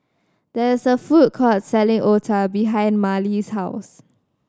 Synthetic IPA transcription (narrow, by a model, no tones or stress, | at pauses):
d̥ɛɪsəfut̚kʰɔtsɛlɪ̃ŋʔɔtʰəbiɦãɪ̃nmalishaʊs